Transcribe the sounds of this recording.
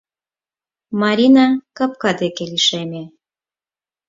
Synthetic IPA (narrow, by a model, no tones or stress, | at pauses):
mɑɾʲinɑkɑp̚kɑd̪ekeliʃemʲe